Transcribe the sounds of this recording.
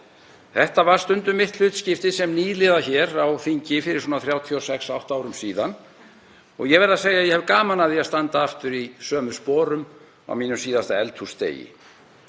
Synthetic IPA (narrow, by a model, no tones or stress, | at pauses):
θɛht̪avaɾ̥st̪ʏnt̪ʏmɪht̪lʏːt̪scɪft̪ɪsɛmniːðlɪðaçɛːɾawfiɲcɪfɪɾɪɾsɔːnaθɾjaːwt̪ʰiɔsɛksawht̪aːwɾʏmsiːðan | ɔ̰ɣjɛɣvɛɾðaseːjajɛhɛvkaːmanaðɪast̪ant̪aaft̪ʏɾisœːmʏspɔːɾʏm | a̰wmiːnʏmsiːðast̪aɛlt̪ʰhust̪ḛːjɪ̰